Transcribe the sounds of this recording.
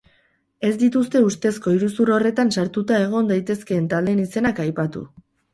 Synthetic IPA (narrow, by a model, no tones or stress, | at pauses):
e̞zd̪it̪ust̪e̞ust̪e̞sko̞iɾusuɾo̞re̞t̪ansaɾt̪ut̪ae̞ɣ̞o̞nd̪ajt̪e̞ske̞ːnt̪ald̪e̞nise̞nakajpat̪ṵ